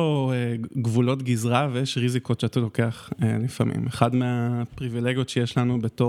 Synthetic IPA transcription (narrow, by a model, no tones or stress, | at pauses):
oeɡvulo̞tɡizʁavejeʃʁizikotʃeatalo̞keaχelifa̰mḭmeχadmeapʁivile̞ɡijotʃejeʃlanube̞to